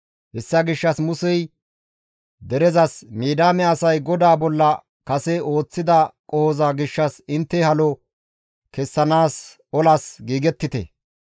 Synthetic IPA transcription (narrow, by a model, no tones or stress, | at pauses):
hɛsːɐɡɪʃːɐsmʊsɛj | d̪ɛɾɛzɐsmiːd̪aːmɛɐsɐjɡɔd̪aːbɔlːɐ | kɐsɛo̞ːt͡sːɪd̪ɐkʼɔhɔzɐɡɪʃːɐsɪnt̪ːɛhɐlɔ | kɛsːɐnaːs | ɔlɐsɡiːɡɛt̪ːɪt̪ɛ̰